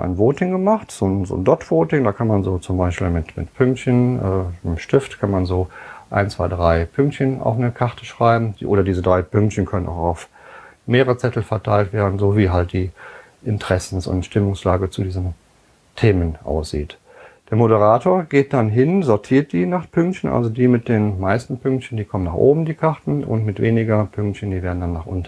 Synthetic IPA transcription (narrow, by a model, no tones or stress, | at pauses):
ʔa̰ɪnvoːtɪŋɡəmaχtz̥oːnzo̰ːndɔtv̥oːtɪŋdaːkʰanmanzoːt͡sʊmbaɪʃpḭːlmɪtmɪ̰tpʰʏŋk̚tçənʔɛːnəmʃtɪftkʰanmanzoːʔa̰ɪnt͡sv̥aɪdʁaɪpʰʏŋk̚tçənʔa̰ʊfnəkʰaʁtʰə̥ʃʁ̥aɪbm̩ʔo̰ːɾɐdiːzədʁaɪpʰʏŋktçənkʰœnənʔa̰ʊxaʊf | meːəʁət͡sɛtl̩fɛɐtʰaɪltv̥eːɐdn̩zoːviːɦalt̚d̥iː | ʔɪntʁ̥ɛsn̩sʊ̰ntʃtɪmʊŋslaːɡət͡sudiːzn̩ | tʰeːmənʔa̰ʊsz̥ḭːt | d̥eːɐmoɾəʁaːtʰoːɐɡeːt̚d̥anɦɪnzɔɐtʰiːɐt̚d̥iːnaːχpʰʏŋktçənʔa̰lzodiːmɪt̚d̥eːnmaɪstn̩pʰʏŋk̚tçən̩diːkʰɔmənaːχʔoːbm̩diːkʰaʁtn̩ʊ̰ntmɪtv̥eːnɪɡɐpʰʏŋktçəndiːveːɐdn̩danːaːχʔʊ̰nt